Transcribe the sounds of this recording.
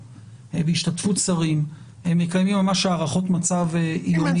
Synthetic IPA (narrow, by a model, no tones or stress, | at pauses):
beiʃtatfut̪saʁim | hemːekajmimːamaʃaːʁaχo̞t̪mat͡saveʔijoni